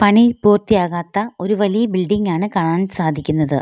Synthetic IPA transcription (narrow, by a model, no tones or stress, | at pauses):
pɐɳipuːrt̪ːijaːɣaːt̪ːɐo̞ɾuʋɐlijɐbilɖiŋɡaːɳɨkaːɳaːnsaːd̪ʱikʲːunːɐðɨ